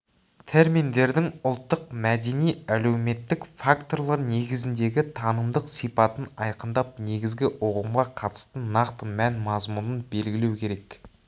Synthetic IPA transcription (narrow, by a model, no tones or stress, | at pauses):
t̪ʰe̞ɾmijnd̪e̞ɾd̪ɪŋʊlˠt̪ːəq̚mæd̪e̞nijæle̞wme̞t̪ːɪkfakt̪o̞rlˠɑɾne̞ɡʲɪzɪnd̪e̞ɡʲɪt̪ʰɑnəmd̪əqsijpɑt̪ənɑjqənd̪ɑp̚ne̞ɡʲɪzɡʲɪʔoqəmʁɑqʰɑt̪ə̥st̪ənːɑqt̪əmænmɑzmunənbe̞lɡʲɪlewkʲʰe̞ɾe̞k